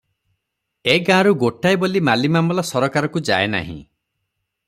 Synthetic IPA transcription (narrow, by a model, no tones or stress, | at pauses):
eɡãɾuɡoʈajbolimalimamɔlɔsɔɾɔkaɾɔkud͡ʒa̰ena̰ɦḭ̃